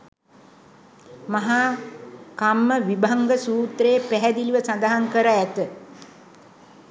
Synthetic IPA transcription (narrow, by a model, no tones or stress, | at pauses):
maɦa | kamːəʋibaŋɡəsuːt̪rejːpæɦɛd̪iliʋəsand̪aɦaŋkəɾaæt̪ə